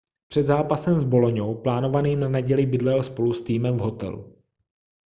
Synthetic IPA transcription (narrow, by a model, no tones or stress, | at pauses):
pr̥ɛd̪zaːpasɛmzbo̞loɲowplaːno̞vaniːnanɛɟɛlɪbɪdlɛlspo̞lust̪iːmɛmvɦo̞t̪ɛ̰lṵ